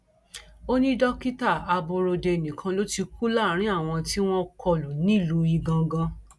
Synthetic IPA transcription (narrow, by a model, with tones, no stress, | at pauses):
o˦nĩ˦dɔ˦ki˦ta˦˨a˧bo˧ɾo˧de˧˨nĩ˨kʰã˧lo˦ti˧ku˦la˦˨ɾ̃ĩ˦a˦˨w̃ɔ̃˧ti˦w̃ɔ̃˦kʰɔ˧lo˨nĩ˦˨lu˧˦i˧ɡã˧ɡã˧